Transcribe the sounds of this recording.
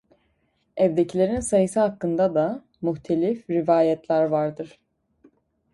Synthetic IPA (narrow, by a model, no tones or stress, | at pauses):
ɛvd̪ecʰilʲe̞ɾinsajɯsɯhakːɯnd̪ad̪a | myçt̪ʰelʲifɾivaːjɛt̪ʰlʲæɾvaɾd̪ɯɾ̥